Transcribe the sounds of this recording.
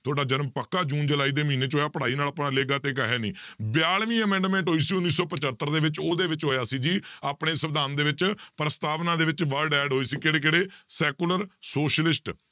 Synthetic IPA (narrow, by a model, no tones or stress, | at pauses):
t̪ʰʊoaːɖaːd͡ʒənmpəkːaːd͡ʒũːnd͡ʒəlaːiːd̪eːmiːneːt͡ʃɦoːjaːpəɽaːiːnaːlaːpnãːleːɡaːt̪eːkaːɦeːniːbɪjaːlʋĩːəmɛ̃ːɳɖmɛ̃ːɳʈɦoːiːsiːʊnːiːsɔːpət͡ʃət̪ːəɾd̪eːʋɪt͡ʃoːd̪eːʋɪt͡ʃɦoːjaːsiːd͡ʒiːaːpɳeːsəʋd̪aːnd̪eːʋɪt͡ʃpɾəst̪aːʋnãːd̪eːʋɪt͡ʃʋəɾɖɛːɖɦoːiːsiːkeːɽeːkeːɽeːsɛːkuləɾsoːʃlɪsʈ